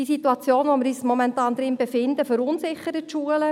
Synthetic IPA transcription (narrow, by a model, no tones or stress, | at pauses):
isituɑt͡sjoːnʋomɪɾyːsmɔmɛntɑːnd̪ɾɪmbefɪnd̪əføɾʊnsɪχəɾətʃuːələ